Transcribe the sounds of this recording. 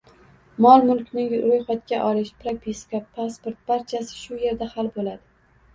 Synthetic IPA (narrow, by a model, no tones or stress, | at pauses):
mɒlˠmʊlˠkʲnɪŋɾojχat̪̚kʲaʔɒlɪʃpɾapʰiskapʰaspoɾt̪̚b̥aɾt͡ʃʰasɪ̥ʃʊje̞ɾd̪ahalbolad̪ɪ